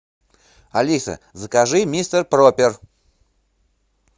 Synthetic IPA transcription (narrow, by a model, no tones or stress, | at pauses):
alʲisɐ̰ | zəkaʐɨmʲist̪ərpropʲer